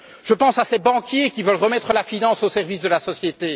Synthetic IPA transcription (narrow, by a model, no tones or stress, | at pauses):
ʒ̥əpɑ̃sasɛbɑ̃kʲjekʲivœlʁəmɛt̪χəlafinɑ̃sosɛʁvisd̪əlasɔsjet̪e